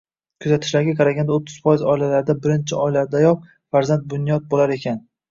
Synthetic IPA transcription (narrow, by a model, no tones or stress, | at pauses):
kʰʊzat̪ʰɪ̥ʃlaɾɡʲakʰɑɾaɡʲand̪aot̪ʰːɪz̥fɒjɪzɒɪlalaɾɪd̪abɪɾɪnt͡ʃʰɪɒɪlaɾd̪ajɒp̚ | faɾzant̪̚bʊnjɒt̪̚bolaɾe̞kʲʰan